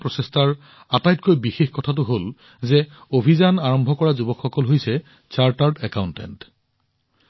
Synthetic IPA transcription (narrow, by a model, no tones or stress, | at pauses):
pɹɔsestaɹ | atajtkojbixexkɔtʰat̬ʊɦol | zɛobʱizanaɹɔmbʱɔkɔɹazubɔkxːɔkɔlɦojsɛ | t͡ʃaɹtaɹdɛkawntɛ̰nt